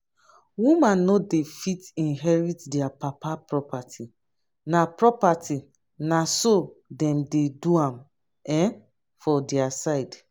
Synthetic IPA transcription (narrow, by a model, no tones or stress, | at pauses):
wumãnːodefitĩnɦɛɹitdɛapapapɹɔpatʰi | napɹɔpati | nasodɛ̃mdeduãm | ɛ̃ | fɔdɛasaɪd